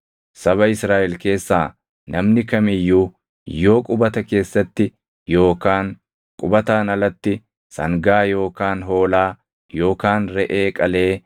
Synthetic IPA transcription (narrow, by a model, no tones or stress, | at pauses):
sɐβɐɪsɾaːʔɛlke̞ːsːaː | nʔɐmnɪkɐmɪjːuː | jo̞ːkʼʊbɐt̪ɐke̞ːsːɐt̪ːɪ | jo̞ːkaːŋ | kʼʊbɐt̪aːnɐlɐt̪ːɪ | sɐ̰ŋɡaːjo̞ːkaːnɦo̞ːlaː | jo̞ːkaːnɾɛʔe̞ːkʼɐle̞ː